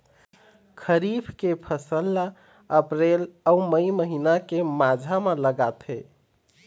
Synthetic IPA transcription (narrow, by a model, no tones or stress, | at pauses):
kʰəɾibʰʱkepʰəsəlːa | əpɾeləuməjməɦinakemad͡ʒʱameləɡat̪ɦe